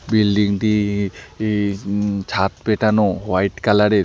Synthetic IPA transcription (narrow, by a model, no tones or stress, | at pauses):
bilɖiŋʈi | t͡ɕʰat̪peʈanowajʈkalaɾeɾ